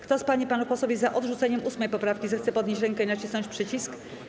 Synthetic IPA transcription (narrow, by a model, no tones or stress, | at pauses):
kt̪ɔspaɲipanupɔsɔvʲizaʔɔd̪ʐut̪sɛɲɛmʔusmɛjpɔpɾafkʲizɛxt̪sɛpɔd̪ɲet͡ɕɾɛŋkɛinat͡ɕisnɔɲt͡ɕpʂɘt͡ɕisk